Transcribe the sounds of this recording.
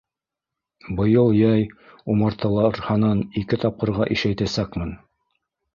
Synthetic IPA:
bɤ̆jɤlˠjɑjumɤɾt̪ʰɑlˠɑɾhɑnɑnikɘt̪ɑp̚qɤ̆ɾʁɑʔiʃæjt̪æsækmɘn

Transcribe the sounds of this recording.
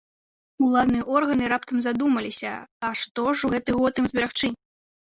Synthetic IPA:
ulˠad̪nɨjɐʔɔrɣɐnɨɾapt̪ɐmzad̪umɐlʲisʲɐ̰ɐʂt̪ɔʂuɣɛt̪ɨɣɔt̪ɨmzʲbʲɛɾaxt͡ʂɨ

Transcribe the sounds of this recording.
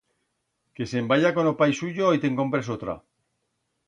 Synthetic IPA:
ke̞sembajako̞nopajsuʝoit̪e̞ŋko̞mpɾesot̪ɾa̰

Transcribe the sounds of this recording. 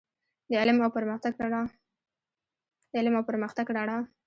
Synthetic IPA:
d̪əalɪmawpəɾmət̪aɡɽ | d̪əalɪmawpəɾməxt̪aɡɖɑɽa

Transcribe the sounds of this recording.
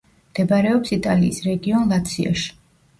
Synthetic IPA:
md̪̥ɛbaɾɛɔpsit̪ʼaliːsɾɛɡiɔnlˠat̪ʰsʰia̰ʃi̥

